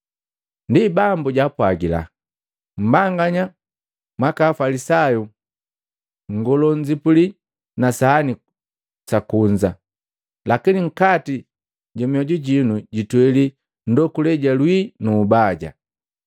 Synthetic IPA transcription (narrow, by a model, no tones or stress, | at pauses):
ndibambuɟapwaɡila̰ | m̩baŋɡaɲa | mwakaːfalisaju | ŋɡɔlɔɲd͡ʒipuli | nasaːni | sakuɲd͡ʒa | lakiniŋ̩kati | ɟɔmiɔɟuɟinuɟitwɛli | n̩dɔkulɛɟalwinuːbaɟa̰